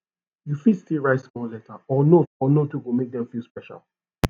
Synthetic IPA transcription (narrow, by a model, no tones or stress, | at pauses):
jufidstilɹaɪtsmɔllɛtʰaɔnotɔnotuɡomek̚dɛ̃mfilˠspɛʃa̰l